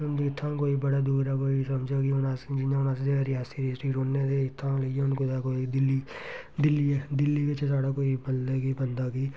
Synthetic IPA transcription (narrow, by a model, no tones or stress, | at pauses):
ʊnd̪uːɪt̪ʰːãːkoːibəɽaːd̪uːɾaːkoːisəmd͡ʒaːɡiːʊnãːsed͡ʒɪãʊnaːs̬d͡ʒeɾiaːsiɾeːsɾiːʈoːnːeːd̪eɪt̪ʰːãːləeʊnkod̪akoːid̪ɪlːiː | d̪ɪlːieːd̪ɪlːiːʋɪt͡ʃsaːɽaːkoːibəld̪eːɡiːbənd̪aːɡiː